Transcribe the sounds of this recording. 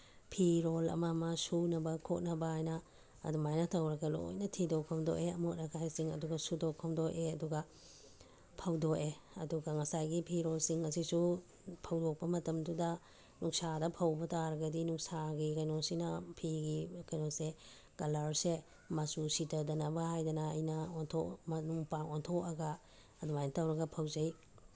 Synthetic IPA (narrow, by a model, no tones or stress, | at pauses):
pʰiɾolɐ̰mɐmɐsunɐbɐkʰot̚nɐbaajnɐ̰ː | dumajnɐtʰɐwɾɐɡɐlo̰jnɐtʰidokʰɐmdo̰ʔeɐmot̚nɐkʰajsiŋɐ̰duɡɐsudokʰːɐmdoʔeɐduɡɐ | pʰɐwdoke | ɐ̰duɡɐŋɐsajɡipʰiɾolsiŋɐsisu | pʰɐwdok̚pɐmɐtɐmdudɐ | nuŋsadɐpʰɐwbɐtaɾɐɡɐdinuŋsaɡikɐjnosinɐpʰiɡikɐjnose | ɡ̥ɐlaɾse | mɐsusitɐdɐnɐbɐhajdɐnɐɐjnɐontʰɔmɐnuŋpaŋɔntʰɔkɐɡɐː | dumajntawɾɐɡɐpʰɐwzɐj